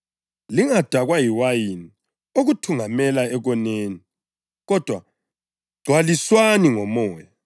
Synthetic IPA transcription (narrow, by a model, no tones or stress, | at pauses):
liŋad̥ʱaɣwajiwajini | oɣutʰuŋamɛlaɛɣɔneːni | ɣɔd̥ʱwa̰ | ɡ͡ǀʱwaliswaniŋɔmɔːja